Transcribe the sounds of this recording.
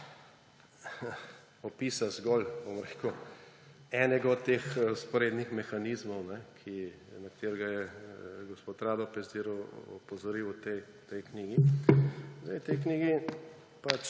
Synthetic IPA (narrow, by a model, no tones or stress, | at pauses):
ɔpiːsazɡɔlbomɾeku | ɛːnɛɡɔt̪ːeːxspɔɾeːd̪nixmɛxanizmɔwnɛkʰi | nɐkt̪eɾɡajɛɡospot̪ɾaːd̪ɔpɛsd̪iɾɔɔ̰pɔzɔɾiwt̪ɛ | t̪ɛjkniːɡi | zd̪ajt̪ɛjkniːɡi | pat͡ʃ